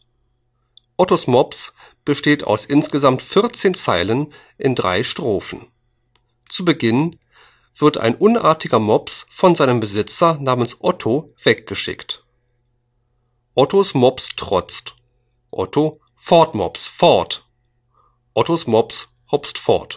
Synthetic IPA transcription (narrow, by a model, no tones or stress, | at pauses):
ʔɔtosmɔps | b̥əʃteːta̰ʊsʔɪnsɡ̥əzamtfɪɐt͡seːnt͡saɪlən | ʔɪndʁa̰ɪʃtʁ̥oːfn̩ | t͡subəɡɪn | v̥ɪɐtʰa̰ɪnʔʊnʔa̰ːɐtɪɡɐmɔpsfɔnzaɪnəmbəzɪt͡sɐnaːmənsʔɔtʰo | v̥ɛk̚ɡ̥əʃɪ̰kt | ʔɔtʰosmɔpstʁ̥ɔt͡st | ʔɔ̰tʰo | fɔɐtmɔ̰psfɔɐt | ʔɔtosmɔps | hɔpstfɔ̰ɐt